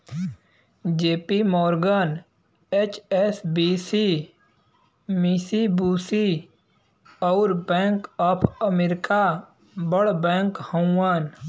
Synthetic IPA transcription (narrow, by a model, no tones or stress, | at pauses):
d͡ʒeːpimɔːɾɡən | et͡ʃesbiːsi | misibuːsi | ɔʊɾbɛ̃ːŋkɔːpʰəmeɾɪka | bəɽbɛ̃ːŋkhə̃aːn